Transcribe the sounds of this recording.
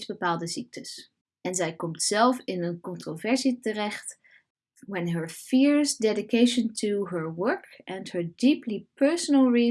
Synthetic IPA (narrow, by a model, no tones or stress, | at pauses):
sbəpaːlˠdəzik̚tʰəs | ɛnzɛjkɔmtsɛlˠfɪnənkɔ̃ntrovɛɹsitərɛχt | wɛ̃nɦəɹfɪɹzdɛdɪkejʃə̃ntʰuɦəɹwɜɹkʔɛ̃ndhəɹdiplipɜɹsənəlˠɹi